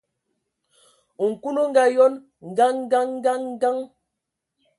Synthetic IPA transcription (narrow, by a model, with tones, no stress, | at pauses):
ŋ̩˨ku˦lo˦ŋ˦ɡa˨jɔ˦n | ŋ̩˨ɡa˦ŋ̩˦ɡa˦ŋ̩˦ɡa˦ŋ̩˦ɡa˦ŋ